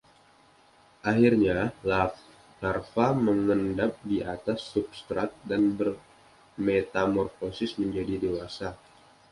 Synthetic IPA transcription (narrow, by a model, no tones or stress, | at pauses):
ʔahirɲala | larfaməŋəndap̚diʔat̪asːupst̪ɾat̪̚danbər | met̪amɔrfosɪsməɲd͡ʒadidewasa